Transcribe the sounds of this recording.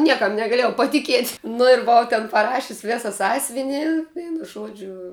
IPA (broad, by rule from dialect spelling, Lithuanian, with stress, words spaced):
ˈnʲiɛkɐm nʲɛɡɐˈlʲiɛjɛʊ pɐtʲɪˈkʲiɛtʲ nʊ ɪr bʊˈʋɐʊ tʲɛn pɐˈrɑːʃʲʊsʲ ˈʋʲeːsɐ ˈsɑːsʲʋʲɪnʲɪ ˈʋʲɛɪnʊ ˈʒuɔd͡ʒʲʊ